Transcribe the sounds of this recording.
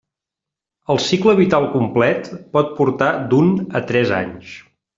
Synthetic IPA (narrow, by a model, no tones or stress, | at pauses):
əlˠsikləβ̞it̪alˠkumplɛt̪pɔt̪̚puɾt̪ad̪unət̪ɾɛza̰ɲʃ